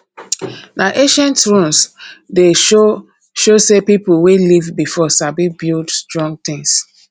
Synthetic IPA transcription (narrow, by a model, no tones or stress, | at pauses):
naʔeʃɛ̃ntɹũmsde | ʃosepipuwelivbifɔsabibildstɹɔ̃ŋɡ̚t̪ɪ̃ŋs